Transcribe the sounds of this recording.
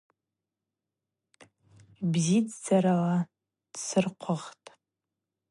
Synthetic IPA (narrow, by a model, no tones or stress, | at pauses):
bzid͡zd͡zaɾala | d̥sɨrqʷʰʊʁtʼ